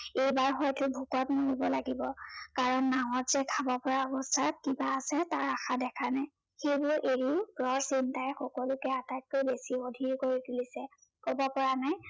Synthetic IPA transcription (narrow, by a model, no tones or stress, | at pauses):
ejbaɹxɔjtʊbʱukɔtmoɹibɔlaɡibɔkaɹɔnːawɔtz̥ɛkʰabɔpɔɹaɔbɔstʰat̚kibaːsɛtaɹaxadɛkʰanaj | xejbʊɹʔeɹiʊɡɹɔɹsintajxɔkɔlʊkɛatat̚kojbesiodʱiɹkoɹitulisɛ | kobɔpɔɹanaj